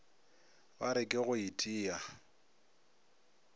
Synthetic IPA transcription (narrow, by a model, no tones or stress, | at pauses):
baɾɪkʼɪɣʊitʼiːa